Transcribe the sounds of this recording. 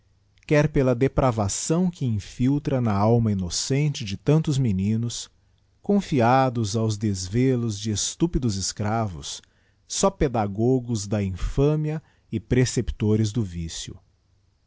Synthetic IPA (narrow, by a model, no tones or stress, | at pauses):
kɛɾpelɐd̪epɾʔavasɐ̃w̃kʰɪĩfiwt̪ɾɐnɐawmɐinosẽnt͡ʃɪd͡ʒɪt̪ɐ̃nt̪ʊzminĩnʊs | kõfiad̪ʊzawzd̪ezvelʊzd͡ʒɪest̪upid̪ʊzɪskɾavʊ̰sː | ɔped̪aɡɔɡʊzd̪ɐĩfɐ̃miɐ | ɪpɾesepi̥t̪oɾɪzd̪ʊvisjʊ̰